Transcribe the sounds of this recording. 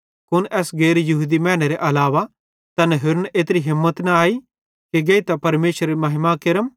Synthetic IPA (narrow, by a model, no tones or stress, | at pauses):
kʊnʔɛːsɡeːɾjɐɦuːd̪imɛ̃ːñeɾeʔɐlaːʋa | t̪ɐnɛɦʊɾnʔeːt̪ɾiɦɪmːət̪nãaːi | keɡeːit̪apɐɾmeːʃɾemɐɦɪmakɪɾəm